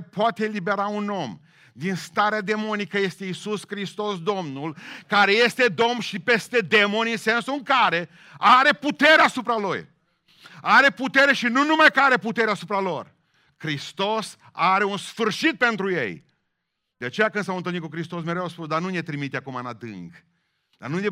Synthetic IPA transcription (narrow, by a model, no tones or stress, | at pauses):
poat̪eːlibe̞ɾauno̞m | d̪inst̪aɾead̪e̞mo̞nikəje̞st̪eisuskɾist̪o̞sd̪o̞mnulkaɾe̞jest̪e̞d̪o̞mnʃipe̞st̪e̞d̪e̞mo̞nʲinse̞nsuɨŋkaɾe̞ | aɾe̞put̪e̞ɾeasupɾaloj | aɾe̞put̪e̞ɾe̞ʃinunumajkəaɾe̞put̪e̞ɾeasupɾalo̞r | kɾist̪o̞s | aɾe̞unsfɨrʃit̪̚pe̞nt̪ɾuje̞̰j | d̪̥eat͡ʃe̞jakɨnsawɨnt̪ɨlnit̪kukɾist̪o̞s̬meɾewspusd̪anunet̪ɾimit̪eakumanad̪ɨ̰ŋɡ | d̪a̰nue